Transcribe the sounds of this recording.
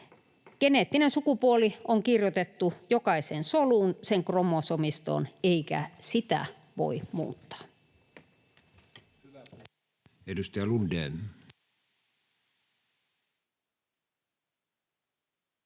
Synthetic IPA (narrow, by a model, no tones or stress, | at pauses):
keneːt̪ːinensukupuolioŋkirjot̪et̪ːujokɑisensoluːnseŋkromosomist̪o̰ːneikæ̰sit̪æ̰ | ʋo̰imṵːt̪ːɑ̥ː | edust̪ɑjɑlundeːn